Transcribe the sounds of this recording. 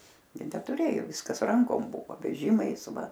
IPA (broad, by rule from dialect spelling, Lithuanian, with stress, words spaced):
ɡʲɪ nʲɛtʊˈrʲeːjoː ˈʋʲɪskɐs ˈrɐŋkoːm ˈbʊʋoː ʋʲɛˈʒʲɪmɐɪs ˈʋɐ